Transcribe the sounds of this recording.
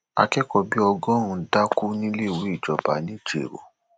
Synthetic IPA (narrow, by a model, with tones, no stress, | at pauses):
a̰˧kɛ˦kɔ˧bi˦ɔ˧ɡɔ̃˦ɾũ˧da˦ku˦nĩ˦le˦˨wu˨˦i˦˨d͡ʒɔ˨ba̰˨˦nĩ˦˨d͡ʒḛ˨ɾo̰˨